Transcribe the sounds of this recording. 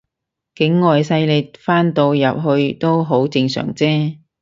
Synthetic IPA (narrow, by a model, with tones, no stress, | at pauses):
kɪ˨˥ŋːɔː˨jsɐ˧jlɪ˨˩t̚faː˥nt̪o˧wjɐ˨p̚ɦɵ˧ɥt̪o˥wɦo˨˥wt͡sɪ˧ŋsœ̰ː˨˩ŋt͡sɛː˥